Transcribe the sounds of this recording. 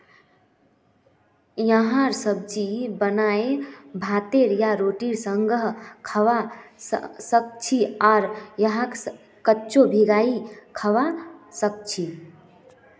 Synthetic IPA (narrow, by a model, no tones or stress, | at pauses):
jəɦãɾsəb̚d͡ʒibənaebʱat̪eɾjaɾoʈiɾsəŋɡəɦkʰəʋa | sək̚t͡ʃʰiaːɾjəɦãks | kəːt͡ʃobʱiɡaikʰəʋasək̚t͡ʃʰi